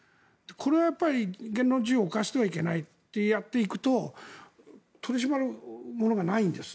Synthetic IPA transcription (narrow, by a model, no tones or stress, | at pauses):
d̪̥ekʰo̞ɾe̞βajapːaɾʲiɡẽ̞nːɾo̞d͡ʑiɨokaɕi̥t̪e̞βaike̞nait̪ːe̞jat̪ːe̞ikɯ̟̥t̪o̞ | t̪ʰo̞ɾʲiɕ̬imaɾɯ̟mo̞no̞ɡanaĩnd̪e̞sɨ̥